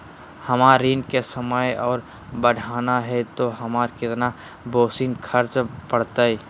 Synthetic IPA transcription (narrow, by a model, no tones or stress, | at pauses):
hɐmaːɾiːnkesəməjɔːɾ | bəɽʱaːnaɦɛt̪oɦɐmaːɾkɪt̪na | boːsiːnkʰəɾt͡ʃpəɽt̪aɛ